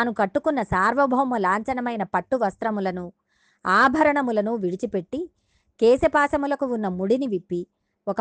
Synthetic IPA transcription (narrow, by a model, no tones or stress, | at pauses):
nukɐʈːukunːɐsaːɾʋɐbʱɐʋɐmɐlaːɲt͡ʃɐnɐmɐjnɐpɐʈːuʋɐst̪ɾɐmulɐnu | aːbʱɐɾɐɳɐmulɐnuʋiɽit͡ʃipe̞ʈːi | kɛːsɐpaːsɐmulɐkuunːɐmuɽiniʋipːi | ɔkɐ